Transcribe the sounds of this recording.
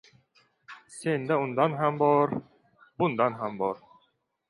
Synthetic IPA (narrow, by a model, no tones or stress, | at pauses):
send̪æund̪ɑnɦæmbɔɾ | bund̪ɑnɦæmbɒɾ